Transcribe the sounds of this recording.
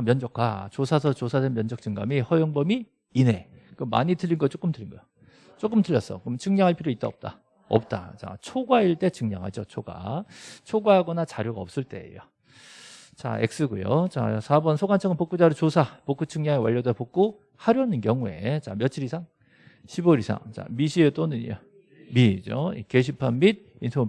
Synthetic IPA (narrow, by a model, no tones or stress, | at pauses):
mjʌnd͡ʑʌk͈ʰwa̰t͡ɕosʰas̬ʰʌt͡ɕosʰadenmjʌnd͡ʑʌk̚t͡ɕ͈ɯŋɡa̰mihʌjoŋbʌmiː | ne̞kɯma̰ɲitɯʎːinɡʌt͡ɕ͈ok͈ɯmtɯʎinɡʌjo | t͡ɕ͈ok͈ɯmtɯʎːʌs͈ʌkɯmt͡ɕɯŋɲaŋɦaɭpʰiɾjoit͈oʌp̚t͈a | ʌ̰p̚t͈a̰t͡ɕa̰t͡ɕʰoɡwaiɭt͈e̞t͡ɕɯŋɲa̰ŋɦa̰d͡ʑot͡ɕʰoɡa̰t͡ɕʰoɡwaɦaɡʌnat͡ɕaɾjoɡaʌp̚s͈ɯɭt͈e̞ḛjo̰ | t͡ɕa̰ḛk̚s͈ɯɡujo̰t͡ɕa̰sʰabʌnsʰoɡant͡ɕʰʌŋɯnpok͈ud͡ʑaɾɯɭt͡ɕosʰapok͈ut͡ɕʰɯŋɲaŋewaʎːʌdepok͈o | haɾjwɦanɯnkjʌŋue̞̰t͡ɕa̰mjʌt͡ɕʰiɾisʰaŋ | ɕʰiboɾisʰa̰ŋt͡ɕa̰miɕʰiet͈onɯɲio | mid͡ʑo̰ḭkeɕʰipʰanmid̚ | insʰo